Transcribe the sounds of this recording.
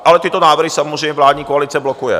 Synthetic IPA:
ʔalɛt̪ɪt̪o̞naːvr̩ɦɪsamozrɛjɲɛvlaːd̪ɲiːkoalɪt͡sɛblokujɛ̰

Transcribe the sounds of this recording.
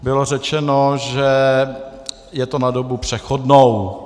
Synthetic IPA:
bɪlo̞r̝ɛt͡ʃɛnoʒɛ | jɛt̪onadobupr̝̥ɛxodnow

